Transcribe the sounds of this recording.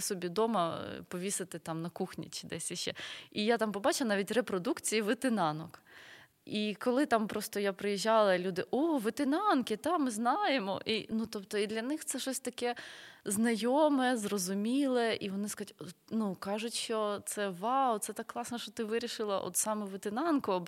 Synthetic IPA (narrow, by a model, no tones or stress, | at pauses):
sɔbʲid̪ɔmɐpɔʋʲisɪt̪ɪt̪ɑmnɐkuxnʲḭt͡ʃɪd̪ɛsʲiʃt͡ʃɛ̰ijat̪ɑmpɔbɑt͡ʃˠɐnɑʋʲitʲrepɾɔd̪ukt͡sʲijiʋɪt̪ɪnɑnɔk | ikɔlˠɪt̪ɑmpɾɔst̪ɔjapɾɪjiʒːɑlˠɐlʲud̪ɪʔɔʋɪt̪ɪnɑnkɪt̪ɑmɪznɑjemɔ̰ʔinut̪ɔpt̪ɔid̪lʲɐnɪxt̪sɛʃɔsʲt̪ɐkɛznɐjomɛzrɔzʊmʲilˠɛʔiʋɔnɪskɐztʲɔnukɑʒʊtʲʃt͡ʃɔt̪sɛʋɑʊt̪sɛt̪ɑkːlˠɑsnɛʃt͡ʃɔt̪ɪʋɪɾʲiʃɪlˠɐʔɔ̰t̪sɑmɛʋɪt̪ɪnɑnkʊɐb